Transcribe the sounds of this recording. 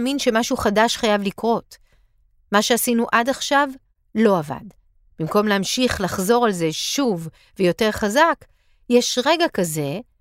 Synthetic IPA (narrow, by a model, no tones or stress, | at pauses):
minʃe̞maʃuχadaʃχajavlikʁo̞t | maʃeasinuʔadaχʃav | lo̞ava̰d | b̥imko̞mleamʃiχlaχzo̞ʁalze̞ʃuv | vejo̞te̞ʁχazak | jeʃʁe̞ɡakaze̞